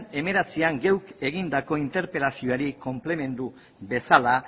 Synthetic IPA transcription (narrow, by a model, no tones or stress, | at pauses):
ne̞me̞ɾet͡siaŋɡe̞wke̞ɣ̞ind̪ako̞int̪e̞ɾpe̞lasio̞aɾiko̞mple̞me̞nd̪u | βe̞sala